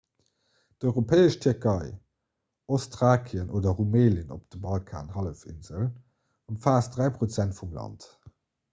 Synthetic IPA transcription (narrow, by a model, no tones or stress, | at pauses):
d̥ɔʏʁopʰɛːəʃtʰyɐkʰɑɪ | ostʁaːkʰiənʔoːdɐʁumeːləno̰p̚d̥əbɑlkʰa̰ːnhɑləfḭnz̥əl | əmfaːsdʁæɪpʁot͡sæntfumlɑ̰nt